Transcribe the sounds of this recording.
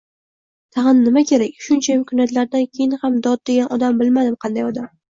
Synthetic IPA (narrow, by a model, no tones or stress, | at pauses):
t̪ʰɑʁɨnːɪmakʲʰe̞ɾakʲʃʊnt͡ʃʰajɪmkʲʰʊnjat̪laɾd̪ankʲʰejɪnhamd̪ɒd̪̚d̪e̞ɡʲanʔɒd̪ambɪlmad̪ɪmqʰɑnd̪ajɒd̪am